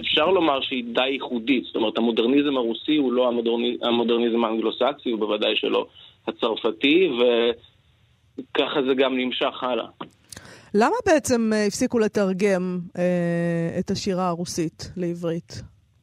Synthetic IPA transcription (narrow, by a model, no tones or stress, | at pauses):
efʃaʁlo̞maʁʃeidajiχuditz̥o̥t̪omeethamo̞deʁnizmhaʁusihulo̞aoamo̞deʁnizmaːnɡlo̞saksiubevadajʃḛlo̞̰hat͡saʁfative̞ | kaχazeɡamnimʃaχala̰ | lamabe̞et͡se̞mifsikule̞taʁɡe̞meetaʃiʁaːʁusitleivʁit